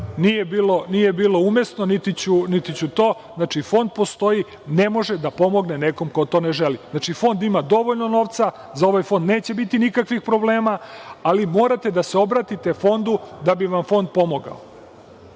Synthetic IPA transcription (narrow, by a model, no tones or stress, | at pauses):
nijebiːlo̞nijebiːlo̞umesno̞nit̪it͡ɕunit̪it͡ɕut̪o̞ːznat͡ʃifo̞nd̪̚po̞st̪o̞i | ne̞mo̞ʒed̪apo̞mo̞ɡneneko̞mkot̪o̞ːneʒeliznat͡ʃifo̞nd̪imad̪o̞ʋoʎno̞no̞ːʋt̪sa | zao̞ʋajfo̞nd̪neːt͡ɕe̞bit̪inikakʋixpɾo̞ble̞ːmaalimo̞ːɾat̪e̞d̪aseo̞bɾat̪it̪e̞fo̞nd̪ud̪abiʋamfo̞nd̪̚po̞mo̞ɡa̰o̰